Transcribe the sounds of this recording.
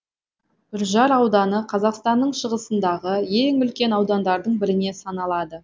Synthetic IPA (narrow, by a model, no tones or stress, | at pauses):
ʏɾʒɑɾɑwd̪ɑnəqʰɑzɑqst̪ɑnːəɴʃəʁəsənd̪ɑʁəje̞ŋʏlkʲe̞nɑwd̪ɑnd̪ɑɾd̪əɴbɪɾɪne̞sɑnɑlˠɑd̪ə